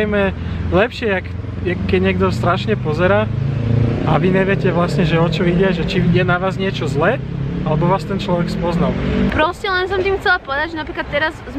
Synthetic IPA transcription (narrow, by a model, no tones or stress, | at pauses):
jmɛlɛpʃɪɛak | jakkːɛɟɲɪɛɡ̚d̪ɔst̪ɾaʃɲɛpɔzɛɾaː | aʋiɲɛʋɪɛcɛʋlasɲɛʒɛɔt͡ʃɔʋiɟɪaʒɛt͡ʃijɛnaʋaːzɲɪɛt͡ʃɔzlɛːalɛbɔʋaːst̪ɛnt͡ʃlɔʋɛkspɔznalpɾɔscɛlɛnsɔmt̪iːmxt͡sɛlapɔʋɛd̪aɟʒɛnapɾiklat̪ːɛɾazz